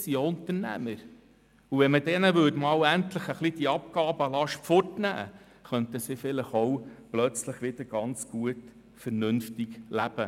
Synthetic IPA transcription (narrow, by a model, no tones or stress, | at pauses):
siʊnt̪əɾnæ̰məɾ | uʋɛnmədɛnəʋɵtmɑːwæntləχəχlid̥̪iɑp̚kɑːbəɑlɑʃfɔrtnæ̰ː | χœnt̪əsɪfɪləχɔwplœt͡sləχʋɪd̪əɾɡ̥ɑnt͡sɡ̥uət | fɛɾnɵnftiɡlæb̥ə